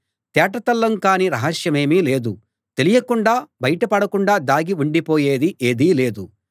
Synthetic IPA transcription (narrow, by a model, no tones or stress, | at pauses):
t̪ɛːʈɐt̪ɐlːɐŋkaːniɾɐɦɐʃjɐme̞ːmiːle̞ːd̪u | t̪e̞lijɐkuɳɖaːbɐjɐʈɐpɐɽɐkuɳɖaːd̪aːɡiuɳɖipo̞ːje̞ːd̪iʔeːd̪iːle̞ːd̪u